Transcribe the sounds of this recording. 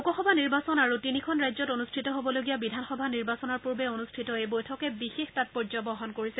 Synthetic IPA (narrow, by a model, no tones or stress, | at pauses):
ukɔxɔbʱaniɹbasɔnaɹutinikʰɔnɹajzɔtonustʰitɔɦobɔloɡijabidʱanxɔbʱaniɹbasɔnɔɹpuɹbɛonustʰitɔebojtʰɔkɛbixextat̚pɔɹzɔbɔɦɔnkoɹisɛ